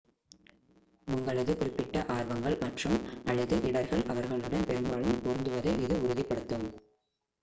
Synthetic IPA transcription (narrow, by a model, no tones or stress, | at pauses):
mʊŋɡɐɭɐðɯkʊrɪpːɪʈːɐʔaːɾʋɐŋɡɐɭmɐʈrɯmɐɻɯðɯʔɪɽɐɾɣɐɭʔɐʋɐɾɣɐɭɯɽɐnpɛɾɯmbaːɭɯmpɔɾɯnd̪ɯʋɐðɐɪɪðɯʊɾʊðɪpːɐɽɯt̪ːɯm